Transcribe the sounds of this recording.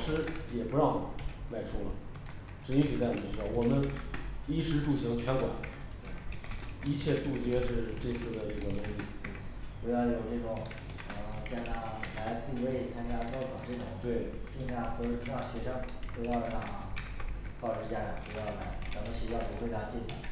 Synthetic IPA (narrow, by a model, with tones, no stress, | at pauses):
ʂɻ̩˥jɛ˨˩pu˧˥ɻɑ˥˩ʊma˨˩ɪʈ͡ʂʰu˥˩lə̰˩ | ʈ͡ʂ̩˧˥i˥ɕy˨˩t͡sa˥˩ɪwʈ͡ʂ̩˥t̪ɑ˥˩wɔ˨˩mə˦ni˥˩ʂɻ̩˧˥ʈ͡ʂu˨˩ɕi˧˥ŋt͡ɕʰɥɛ˧˥nkwa̰˨˩˦nt̪e˥˩i˧˥t͡ɕʰjɛ˥˧t̪u˥˧t͡ɕɥɛ˥ʂɻ̩˥˧ʈ͡ʂe˥˧ɪt͡sʰɹ̩˥˩d̪ə˩ʈ͡ʂə˥˩ɡə˩nʊ˧˥ŋli˥˩˥pu˧˥jɑ˥˩ʊjo˨˩ʊʈ͡ʂɤ˥˩ʈ͡ʂʊ˨˩˦ŋ | ə˧t͡ɕɛ˥˧˩t̪a˥˩la˧˥ɪt͡su˥˩we˥˩ɪt͡sʰa˥nt͡ɕja˥kɑ˥ʊkʰɑ˨˩ŋʈ͡ʂɤ˥˩ʈ͡ʂʊ˨˦ŋt̪we˥˩ɪt͡ɕi˥˧ɕa˥˩xo˥˧˩ʈ͡ʂʰa˥˩ɕɥɛ˧˥ʂɤ˥ŋte˥˧jɑ˥˧ə˧˥a˨˩a˥˩ | k̪ɑ˥˩ʊʂɻ̩˧˥t͡ɕja˥la˨˩pu˧˥jɑ˥˩ʊna˧˥ɪt͡sa˧˥mə˧ɕi˥wɑ˥˩ŋpu˧˥xwe˥˩ɪt̪ʰa˥˧t͡ɕi˥˩ɕa̰˥˩